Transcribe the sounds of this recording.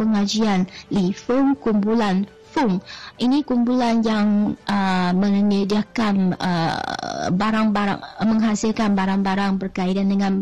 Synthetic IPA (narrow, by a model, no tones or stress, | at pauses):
pəŋad͡ʒianlifuŋkumpulan | fʊŋinikumpulanjaŋʔəmə̃ŋnədiakanə̰ | baɾaŋbaɾa̰məŋɦasilkanbaɾaŋbaɾaŋbərkaitandəŋãn